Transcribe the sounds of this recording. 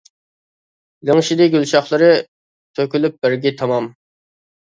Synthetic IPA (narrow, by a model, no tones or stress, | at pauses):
lɪŋʃid̪ɪɡʲylt͡ʃɑχlˠɨɾɨ | t̪ʰøkʲylyp̚bɪɾɡʲit̪ʰɑmɑm